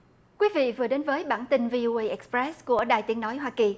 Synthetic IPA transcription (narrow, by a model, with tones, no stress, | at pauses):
kwi˨˦vḭ˧˨vɨ˨˩əɗe˨˦nvəː˨˦jɓa̰ː˧˩nt̪i˧nvi˧ʔo˧ʔə˧jʔɛ˨˦˥k̚spɹɛ˦˥sku˧˩əɗa̰ː˧˨jt̪i˨˦ənɔ˨˦jɦwaː˧ki˨˩